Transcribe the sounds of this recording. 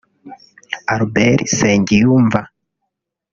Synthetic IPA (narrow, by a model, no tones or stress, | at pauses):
aɾubeɾiseːɲɟijuːɱva